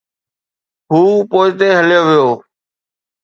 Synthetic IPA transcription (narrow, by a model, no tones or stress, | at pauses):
ɦuːpoːɪt̪eːɦəljoːʋɪjoː